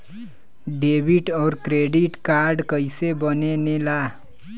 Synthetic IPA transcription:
ɖeːbiʈɔːɾkɾeːɖɪʈkaːɾɖkəɪsebənenelaː

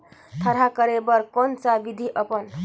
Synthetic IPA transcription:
t̪ʰəɾ̤akəɾebəɾkont͡sabid̪ʱiʔəpən

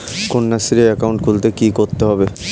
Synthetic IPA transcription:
konːasiɾeɛkawɳʈ̚kʰult̪ekikoɾt̪eɦɔbe

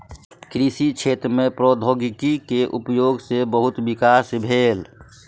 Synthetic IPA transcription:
kɾisit͡ʃʰeːt̪ɾəmẽpɾoːd̪ʱoːɡɪkikeʔʊpjoːɡsebəɦʊt̪bɪkaːsbʱeːl

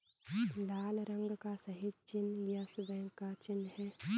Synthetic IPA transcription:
laːlɾə̃ŋɡkasɐɦid̪t͡ʃɪnjɐsbɛ̃ːŋkat͡ʃɪnːhɛː

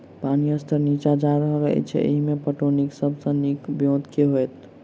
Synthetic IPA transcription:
paniəst̪ʰəɾnit͡ʃad͡ʒaɾəɦəɾəɦɛ̰t͡ʃʰɛ̰ə̰ɦimepəʈoniksəbsə̃nikbjõd̪keɦojt̪

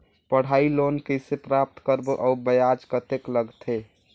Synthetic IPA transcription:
pəɽ̤aːilonkesepɾap̚t̪kəɾboʔɔubəjad͡ʒkət̪ekləɡt̪ʰe

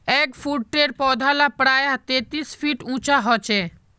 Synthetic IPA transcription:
ɛkfʰuʈːeɾpɔd̪ʱalapɾaet̪et̪isfʰiʈũt͡ɕaɦɔt͡ɕʰe

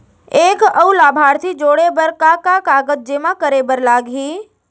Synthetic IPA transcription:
eːkəulaːbʱaːɾt̪ʰid͡ʒoːɽebəɾkakakaːɡəd͡ʒ̚d͡ʒɪmãkəɾebəɾlaːɡɦiː

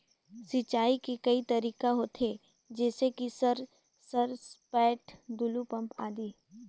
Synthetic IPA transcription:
sɪt͡ʃaːikekɐit̪ɐɾiːkaɦoːt̪ʰeː | d͡ʒɛːsekisɐɾ | sɐɾspɛːʈd̪ʊlupɐ̃mpa̰ːd̪iː

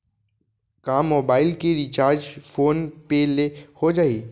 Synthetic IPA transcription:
kãːmːoːbaːɪlkiɾit͡ʃaːɾd͡ʒpʰoːnpelehod͡ʒaːiː

